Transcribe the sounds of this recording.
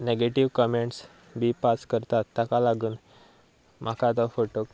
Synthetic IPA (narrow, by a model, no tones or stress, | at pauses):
neɡeʈiʋkɔmeɳʈs | biːpaskəɾt̪at̪ːakalaɡuːn | mʔakad̪ɔfoʈok